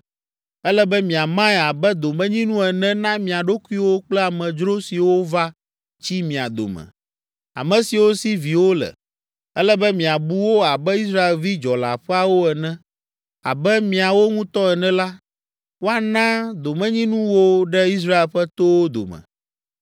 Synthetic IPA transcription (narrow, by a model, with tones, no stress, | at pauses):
ɛ˦lɛ˦bɛ˦mĩ˨a˨mã˦ɛ˨a˨bɛ˦d̪o˨mɛ̃˦ɲĩ˦nũ˦ɛ˨nɛ̃˦nã˦mĩ˨a˨ɖo˦ku˦i˦wo˦k͡plɛ˦a˨mɛ̃˨d͡ʒɾo˦si˨wo˦va˦ | t͡ɕi˦mĩ˨a̰˨d̪o̰˨mɛ̰̃˨ | a̰˨mɛ̃˨si˨wo˦si˦vi˨wo˦lɛ̰˨ | ɛ˦lɛ˦bɛ˦mĩ˨a˨bu˦wo˦a˨bɛ˦i˦s̬ɾa˦e˨lvi˦d͡ʒɔ˨la̰˨ɸɛ˦a˨wo˦ɛ˨nɛ̃˦ | a̰˨bɛ˦mĩ˨a˨wo˦ŋũ˦t̪ɔ˦ɛ˨nɛ̃˦la˦ | wo˦a˨nã˦d̪o˨mɛ̃˦ɲĩ˦nũ˦wo˦ɖɛ˦i˦s̬ɾa˦e˨lɸɛ˦t̪o˦wo˦d̪o̰˨mɛ̰̃˨